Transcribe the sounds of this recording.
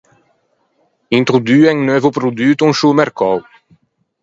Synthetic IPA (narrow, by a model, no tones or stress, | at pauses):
ɛ̃nt̪ʁod̪yɛ̃ŋnœvopɾod̪ɥyt̪ɔ̃ʃomɛɾkɔw